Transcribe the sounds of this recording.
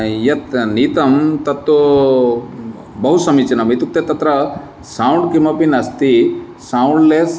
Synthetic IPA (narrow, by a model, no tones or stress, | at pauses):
jɐt̪niːt̪ɐmt̪ɐt̪ːu | bɐɦusɐmit͡ʃɐnɐmit̪uk̚t̪et̪ːɐt̪ɾɐ | saːwɳɖ̚kimɐpinɐst̪i | saːuɳɖleːs